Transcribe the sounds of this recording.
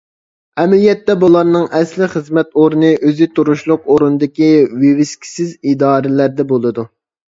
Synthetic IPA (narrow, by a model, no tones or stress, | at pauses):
ɛmɛlijɛt̪ːɛbulˠɑɾnɨŋɛslɪχəzmɛt̪oɾnɨʔøzɪt̪ʰuɾuʃlˠʊq̚oɾunɨd̪ɪkʲiwewɪskʲʰi̥sɪzid̪ɑːɾɪlæɾd̪ɛbolˠɨd̪u